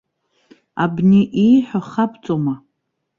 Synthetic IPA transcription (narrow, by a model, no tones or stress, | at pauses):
abniʔijħʷaχapt͡sʼoma